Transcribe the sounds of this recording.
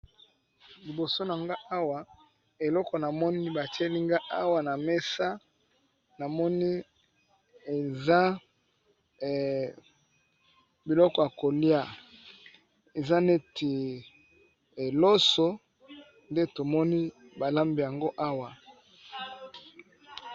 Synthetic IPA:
li˨bo˨so˦na˨ŋɡa˦a˦wa˨ | e˨lɔ˦kɔ˨na˨mɔ˦ni˦ba˨ti˦e˦li˦ŋɡa˦ʔa˦wa˨na˨me˦sa˦ | na˨mɔ˦ni˦ | e˨za˦˨ | bi˨lɔ˦kɔ˨ja˨ko˨li˦a˦ | e˨za˦ne˦tʰe˨ | e˨lo˦so˦ | nde˦to˨mɔ˦ni˦ba˨la˦mbi˨ja˨ŋɡo˦ʔa˦wa˨

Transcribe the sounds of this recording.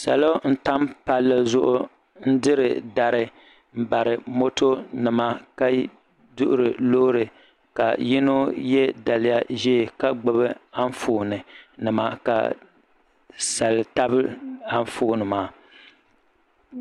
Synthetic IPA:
sa̰˨lo˦n̩˦ta˦mpa˦lːɨ˦zʊ˦ʔʊ˦ | n̩˦dɨ˦ɾɨ˨da˨ɾɨ˨ | m̩˦ba˨ɾɨ˨mo˦to˦nɨ˨ma˦ka˦ | dʊ˦ʔʊ˦ɾɨ˨lo˦ɾɨ˨ | ka̰˨ji˦no˦jɛ˦da˨lɪ˦ja˦ʒɛ˦˨ka˦ɡ͡bɨ˦bɨ˦a˦ɱ˦foː˨nɨ˨nɨ˨ma̰˦ka̰˨ | sa˨lɨ˨ta˦bɨ˦a˦ɱ˦foː˦˨nɨ˨maː˦

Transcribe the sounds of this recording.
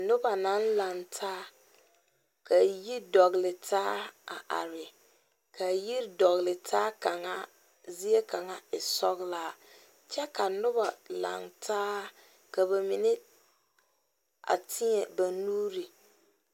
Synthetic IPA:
nʊ˦ba˨na˦n˦la˨ŋtʰaː˦ | ka˨ji˦dɔ˨ɣɪ˨lɪ˨tʰaː˦a̰˨ʔa̰˨ɾɪ˨ | kʰa˨ji˦ɾdɔ˨ɣɪ˨lɪ˨tʰaː˦ka˨ŋa˦ | zi˦e˦ka˨ŋa˦ɪ˨sɔ˦ɣla˦ | t͡ʃɛ˦ka˨nʊ˦ba˨la̰˨ŋtʰaː˦ | ka˨βa˨mi˨nɪ˦ | a̰˨tʰɪ˦ɲɛ˨ba˨nuː˦ɾi˨

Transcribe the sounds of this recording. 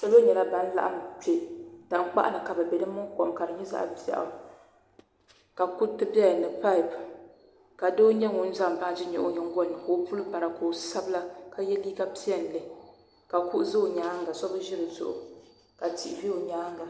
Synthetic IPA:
sa˦lo˦ɲɛ˨la˦ba˦n˦la̰˦ʔa̰˦m˨t͡ʃe˨da˨m˦k͡pa̰˦ʔa̰˦nɨ˨ka˨bɛ˨bɛ˨dɨ˦mʊ˦kɔ˨mka˨ɾɨ˨ɲɛ˦za̰˦ʔa̰˨ba̰˨ʔa̰˨˦ | ka˨ku˦tɨ˦ba˦˨nɨ˨pa˦˨p | ka˨doː˦ɲɛ˦ŋʊ˦n̩˦za˦˨m˨ba˦˨d͡ʒɪ˦ɲɛ˨ʔo˦ɲɛ˦ŋ˦ɡɔ˦nːɨ˨ko˦pu˦lba˨ɾa˨ko˨sa˦bla˦ka˨jɛ˦liː˦ka˦pi˦ɛ˨n˨lɨ˦ | ka˨ku˦ʔzɨ˦o˨ɲaː˨˦ŋ˦ɡa˨sɔ˦bɨ˦ʒɪ˦ɾɨ˨zʊ̰˨ʔʊ̰˨ | ka˨ti˨vi˦o˨ɲaː˨˦ŋ˦ɡa˨

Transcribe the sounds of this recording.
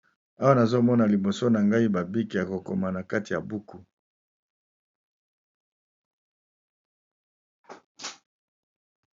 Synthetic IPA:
a˦wa˦na˨zo˦mɔ˦na˨li˨bo˨so˦na˨ŋɡa˦i˦ba˨bi˦ki˨ja˨ko˨ko̰˨ma˨na˨ka˦ti˨ja˨bu˦ku˦

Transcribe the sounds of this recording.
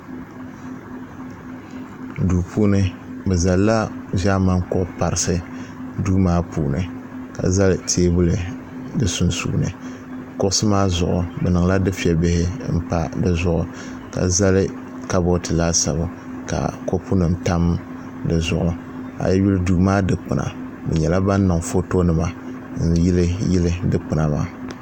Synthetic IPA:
duː˨pʰuː˦nɨ˦ | bɛ˨za˨lla˦ʒa˦ma˦ŋ˦kʊ˦ʔʊ˦pa˨ɾɨ˨sɨ˦duː˦maː˦puː˨nɨ˨ | ka̰˨za˦lɨ˦tʰeː˦bʊ˦lɨ˨ | dɨ˨su˦nsṵː˦nɨ̰˨ | kʊ˦ʊ˦sɨ˦maː˦zʊ̰˨ʔʊ˨bɛ˨nɨ˨ŋ˨la˦dɨ˦fi˦ɛ˨bɪ˦hɪ˦m̩˦pa˦dɨ˦zʊ˦ʔʊ˨ | ka̰˨za˦lɨ˦ | ka˦bo˦tɨ˨laː˦sa̰˨bʊ˨ | ka̰˨ko˦pʰu˦nɨ˨mta˦m | dɨ˨zʊ˨ʔʊ˨ | a̰˨jɛ˦ju˦lɨ˦duː˦maː˦dɨ˨k͡pɨ˨nʔa̰˨ | bɛ̰˨ɲɛ˨la˦ba˦nː˦ɨ˨ŋfo˦to˦nɨ˨ma˨ | n̩˦jɪ˦lɨ˦jɪ˦lɨ˦dɨ˦k͡pɨ˨na˨ma̰˦˨

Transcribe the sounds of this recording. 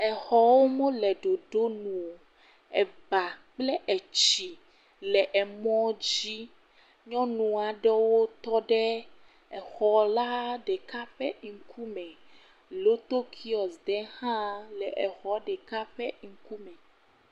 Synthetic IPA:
ɛ˨xɔ˨˦wo˦mõ˦lɛ˨ɖo˨ɖo˦nũ˨o˨ | ɛ˨ba˨k͡plɛ˦ʔɛ˨t͡ɕi˨ | lɛ˨ʔɛ˨mɔ̃˦d͡ʑi˦ | ɲɔ̃˦nũ˨a˨ɖɛ˦wo˦t̪ɔ˦ɖɛ˦ | ɛ˨xɔ˨la˦ɖɛ˨ka˦ɸɛ̰˦ŋ̩˨kʰu˦mɛ̃˨ | lo˦t̪o˦kʰi˦ɔ˨sd̪ɛ˨˦hã˦lɛ˨ʔɛ˨xɔ˨ɖɛ˨ka˦ɸɛ˦ŋ̩˨˦ku˦mɛ̃˨

